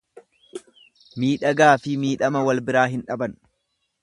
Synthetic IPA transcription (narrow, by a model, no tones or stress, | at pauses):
miːᶑɐɡaːfɪmiːᶑɐmɐwɐlbɪɾaːɦɪnᶑɐbɐn